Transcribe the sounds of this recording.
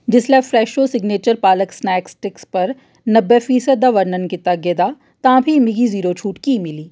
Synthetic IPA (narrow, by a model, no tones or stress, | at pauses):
d͡ʒɪslefɾɛːʃosɪɡneːt͡ʃəɾpaːləksnɛːksʈɪkspɐɾ | nɐbːefiːsəd̪ːaʋɐɾnənkɪt̪aɡed̪a | t̪ãːbʱimɪɡiziːɾot͡ʃʰuːʈkimɪliː